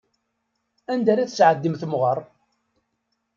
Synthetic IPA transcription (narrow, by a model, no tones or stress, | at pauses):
ænd̪æɾæθəsʕəd̪ːimθəmʁəɾˤ